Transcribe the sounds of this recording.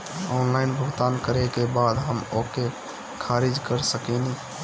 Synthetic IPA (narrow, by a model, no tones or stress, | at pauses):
ɔnlaɪnbʱəɡt̪ankəɾekebad̪ɦəmoke | kʰaɾid͡ʒkəɾsəkɛni